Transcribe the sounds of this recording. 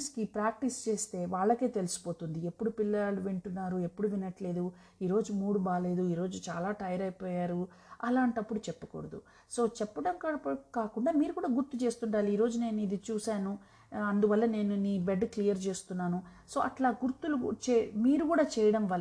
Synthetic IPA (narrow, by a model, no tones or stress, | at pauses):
skipɾaːk̚ʈist͡ʃe̞ːst̪e̞ːʋaːɭːɐke̞ːt̪e̞lusu̥po̞ːt̪und̪iepːuɽupilːɐluʋeɳʈunːaːɾue̞pːuɽuʋinɐʈle̞ːd̪u | iːɾo̞ːd͡ʒumuːɽubaːle̞ːd̪uiːɾo̞ːd͡ʒut͡ʃaːlaːʈɐjɐɾɐjpoːjaːɾu | ɐlaːɳʈɐpːuɽut͡ʃɛpːɐko̰ɽɐd̪ṵ | so̞ːt͡ʃɛpːɐʈɐmkɐkaːkuɳɖaːmiːɾukuːɽaːɡuɾt̪ut͡ʃe̞ːst̪uɳɖaːliiːɾo̞ːd͡ʒune̞ːnuid̪it͡ʃuːsaːnu | ɐnd̪uʋɐlːɐne̞ːnuniːbeɖklijɐɾt͡ʃe̞ːst̪unːaːnuso̞ːʔɐʈlaːɡuɾt̪ulut͡ʃemiːɾukuːɽaːt͡ʃɛːjɐɽɐmʋɐl